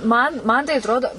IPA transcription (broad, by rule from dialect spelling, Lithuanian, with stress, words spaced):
ˈmɐn ˈmɐn tɐɪ ɐtˈroːdoː